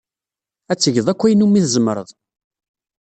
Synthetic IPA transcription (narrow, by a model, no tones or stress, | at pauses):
æt͡sːəʝəðˤækʷːæjənumːiθzəmːəɾˤə̰ðˤ